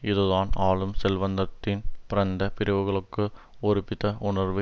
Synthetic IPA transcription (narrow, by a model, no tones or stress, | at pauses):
ɪðɯðaːnaːɭɯmsɛlʋɐnd̪ɐt̪ːɪnpɪɾɐnd̪ɐpɪɾɪʋɯɣɐɭɯkːɯ | ɔɾɪpːɪðɐʊɳɐɾʋɯ